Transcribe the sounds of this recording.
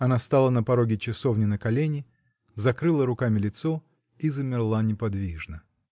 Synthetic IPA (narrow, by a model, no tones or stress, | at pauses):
ɐnast̪alˠənəpɐɾoɡʲɪt͡ɕɪsovnʲɪnəkɐlʲenʲɪ | zɐkɾɨlˠəɾʊkamʲɪlʲɪt̪so | izəmʲɪrlˠanʲɪpɐd̪vʲiʐnə